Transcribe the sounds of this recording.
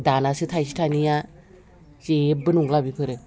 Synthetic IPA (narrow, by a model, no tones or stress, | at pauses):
danasɯtʰajsi̥tʰanija | t͡ʃebɯnuŋlabipʰɯɾɯ